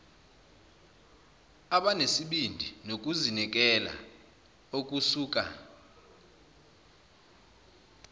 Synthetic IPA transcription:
aɓanesiɓindʱinok̬ʼuzinɛk̬ʼɛla̰ | ok̬ʼusuːk̬ʼa̰

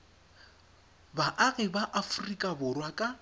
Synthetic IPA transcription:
baʔaɣɪbaʔafurikʼabʊrwakʼa

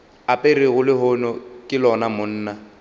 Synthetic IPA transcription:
apʼerɪɣʊlɪɦʊnɔkʼɪlɔnamʊn̩ːna

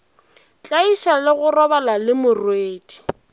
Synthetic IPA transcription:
t͡ɬʼaiʃalɪɣʊrɔbalalɪmʊrweːdi̥

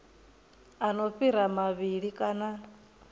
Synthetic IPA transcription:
anoɸiɾamaβiɺikʼana

